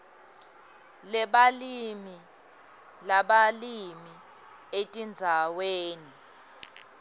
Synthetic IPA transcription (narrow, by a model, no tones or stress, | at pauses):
lɛɓalimi | laɓalimi | etʼind͡zʱaweːni